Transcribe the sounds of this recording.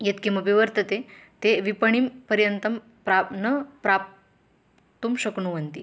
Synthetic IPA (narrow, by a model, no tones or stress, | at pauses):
jet̪kiməpiʋəɾt̪ət̪et̪eʋipəɳ̃iːmpəɾjənt̪əm | pɾanəpɾap̚ | t̪umɕəkɳuʋənt̪i